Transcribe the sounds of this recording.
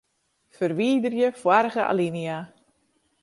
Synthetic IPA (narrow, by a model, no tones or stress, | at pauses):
fərʋiːdərjəfwaɾəɣəʔa̰linia